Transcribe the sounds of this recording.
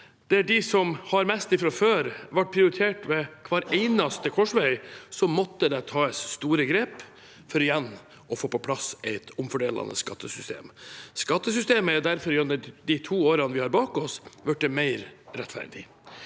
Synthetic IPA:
d̪̥ɛæɖɪsɔmhɑɾmɛst̪ɪfɾɑføːɾʋæʈ̚ːpʰɾɪʊɾɪt̪ʰeːʈʋɛkʰʋɑːɾæɪnɑst̪əkʰɔʂʋœʏsɔmɔt̪ːəd̪ɛt̪ʰɑːəsst̪uːɾəɡɾeːp | fɔɾɪjɛn | ɔfoːpɔpʰlɑsɛɪt̪ʊmfɔɖeːlɑ̰nə̰skɑ̰t̪ːəsʏst̪ḛːmskɑt̪ːəsʏst̪eːməæɾd̪æɾfɔɾʉnəd̪ɪt̪ʰuːoːɾɑnəʋɪhɑɾbɑːkɔsʋœʈ̚d̪ɛmæɪɾɾɛt̪fæ̰ɾɖ̪ɪ̰

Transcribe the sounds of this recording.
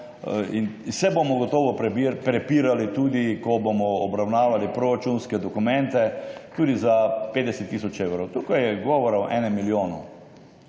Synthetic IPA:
insɛbomɔɡɔt̪ɔʋɔppɾɛpiːɾalit̪uːd̪ikɔbomɔːbɾawnaːʋalipɾoɾat͡ʃunskɛd̪ɔkumɛ̃nt̪ɛt̪uːd̪izaped̪ɛsɛt̪ːisɔt͡ʃewɾɔwt̪ukajɛɡɔʋɔɾaɔʔɛ̰ːnɛmːiljoːnɔ

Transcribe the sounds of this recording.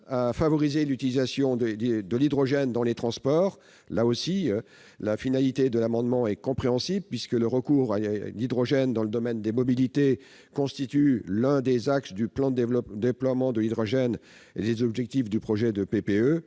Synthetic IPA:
afavɔʁizelyt̪ilizasjɔ̃d̪əd̪d̪əlid̪ʁɔʒɛnd̪ɑ̃let̪χɑ̃spɔːʁ | laosi | lafinalit̪ed̪əlamɑ̃d̪mɑ̃ɛkɔ̃pχeɑ̃sibpɥiskələʁəkuːʁalid̪ʁɔʒɛnd̪ɑ̃ləd̪ɔmɛnd̪emɔbilit̪e | kɔ̃st̪it̪ylɛ̃d̪ezaksd̪yplɑ̃d̪d̪eplwamɑ̃d̪əlid̪ʁɔʒɛn | ḛd̪ezɔbʒɛk̚t̪ifd̪ypχɔʒɛd̪əpepeø

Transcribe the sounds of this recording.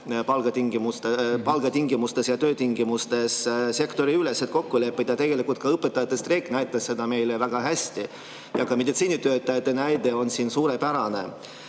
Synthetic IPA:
pɑlɡ̥ɑt̪iŋɡ̥imust̪epɑlɡ̥ɑt̪iŋɡimust̪e̞sjɑt̪ø̞ːt̪iŋɡimust̪e̞sse̞kt̪o̞ɾiylesːet̪̚ko̞kːule̞pːˑid̪jɑt̪e̞ɡ̥e̞likult̪kɑɤpːˑe̞t̪ːˑɑjɑt̪ːˑe̞st̪re̞kˑnæjt̪ːˑɑsse̞d̪ɑme̞jlevæɡ̥ɑɦæsʲt̪i | jɑkɑmed̪it̪siːnit̪ø̞ːt̪ːˑɑjɑt̪ːˑe̞næjd̪e̞o̞nsiːnsuːɾepæɾɑne̞̰

